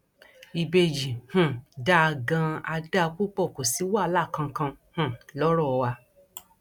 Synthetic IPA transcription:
i˧be˧d͡ʒi˨hũ˨da˦a˧˨ɡã˧a˧da˦˧k͡pu˦˨k͡pɔ˦˨ko˨si˨˦wa˦˨˧la˦˨kã˧kã˧hũ˨lɔ˦ɾɔ˦˨˧wa˧

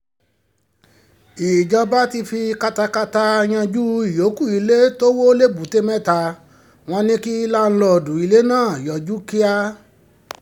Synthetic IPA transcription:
i˨d͡ʒɔ˧ba˦ti˧fi˧ka˧ta˧ka˧ta˧j̃ã˧d͡ʒu˦i˨jo˨˦ku˦˨i˨˧le˦to˦wo˦le˦bu˨˦te˦mɛ̃˦˨ta˧ | w̃ɔ̃˧nĩ˦ki˦la˦ñ̩˦lɔ˧˨dũ˨i˨˧le˦nãː˦˨jɔ˨d͡ʒu˦ki˦a˦

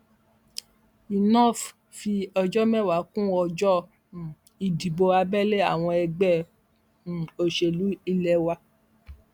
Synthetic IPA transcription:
i˨nɔ̃˦˨f | fi˧ɔ˧d͡ʒɔ˦mɛ̃˦˨wa˨˦kũ˦ɔ˧d͡ʒɔ˦˨ | i˨di˨bo˧a˧bɛ˦le˦a˦˨w̃ɔ̃˧ɛ˧ɡ͡bɛ˦˨ | o˧ʃe˧˨lu˨˦i˧lɛ˧wa˧

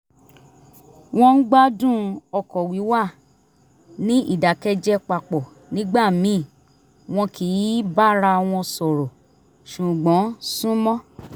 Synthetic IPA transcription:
w̃ɔ̃˧n̩˦ɡ͡ba˦dũ˦˨ɔ˧˨kɔ˨wi˨˦wa˦˨ | nĩ˦ʔḭ˦˨da˨kɛ˧d͡ʒɛ˧k͡pa˨k͡pɔ˨ | nĩ˦ɡ͡ba˦˨mĩ˨˦˨ | w̃ɔ̃˧kʰi˨˦ba˦ɾa˧w̃ɔ̃˧sɔ˨ɾɔ˨ | ʃu˨ɡ͡bɔ̃˨˦sũ˦mɔ̃˦

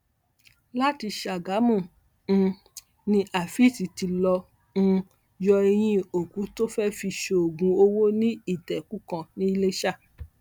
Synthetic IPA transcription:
la˦ti˧ʃa˨ɡa˨˦mũ˦˨˧ | nĩ˧ʔa˨fi˦˨si˨ti˧lɔ̃˧ | jɔ˧e˧j̃ĩ˧o˨kũ˨˦to˦fɛ˦fi˧ʃe˧o˨ɡũ˨˧o˧wo˦nĩ˦i˦˨tɛ˨ku˦kã˧nĩ˦i˧le˦ʃa˦˨

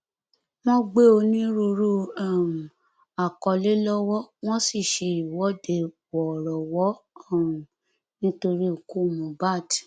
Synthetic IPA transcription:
w̃ɔ̃˦ɡ͡be˦o˧nĩ˦ɾu˧ɾu˦a˨m˨ | a˨kɔ˧le˦lɔ˦wɔ˦w̃ɔ̃˦si˦˨ʃe˧i˨wɔ˨˦de˨ | wɔ˨ɾɔ˨wɔ˨˦˨ | nĩ˦to˧ɾi˦o˨ku˦˨mũ˨ba˦˨ti̥˨

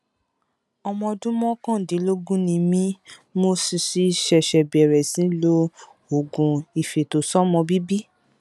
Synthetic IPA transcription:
ɔ˧mɔ̃˧dũ˦mɔ̃˦kã˦˨dĩ˨˦lo˦ɡũ˦nĩ˧mĩ˦mo˧si˧si˧ʃɛ˧ʃɛ˧bɛ˨ɾɛ˨sĩ˨˦lo˧˦ | o˨ɡũ˨i˨fe˨to˨˦sɔ˦mɔ̃˧bi˦bi˦

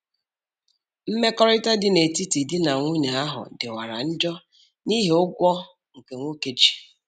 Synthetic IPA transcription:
m̩˦me˦kɔ˦ɾɪ˦ta˦dɪ˦ne˨ti˦ti˨dɪ˦na˨ŋʷu˦ɲa˨a˦ɦʊ̰˨dɪ˨wa˨ɾa̰˨n̩˦d͡ʒɔ˦ | ni˦ɦe˨ʊ˦ɡʷɔ˦ | ŋ̩˨ke˨ŋʷo˦ke˨d͡ʒi̥˨

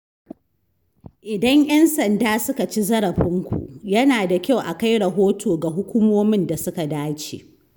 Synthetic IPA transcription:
ʔɪ˨dɐ˦ɲj̰ɐ˦nsɐ˨ndaː˦sʊ˦ka˨t͡ʃi˦zɐ˦ɽɐ˨ɸɪ˦ŋkʷṵ˨ʔjɐ˦naː˨da˨kʲa˦˨wʔa˨ka˦jɽɐ˨ɦoː˦tʰoː˨ɡa˨ɦʊ˦kʷuː˦moː˦mɪ˦nda˨sʊ˦ka˨daː˦t͡ʃḛː˨ʔ

